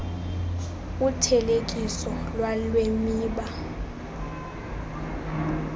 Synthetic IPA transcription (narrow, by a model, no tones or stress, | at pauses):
utʰɛlekʼisɔlwalwemiːɓa